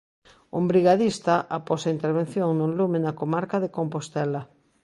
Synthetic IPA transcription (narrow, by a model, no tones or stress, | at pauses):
ʊmbɾiɣaðist̪aʔapɔsaint̪eɾβ̞en̟θjoŋnʊlumenakomaɾkaðekompost̪ɛla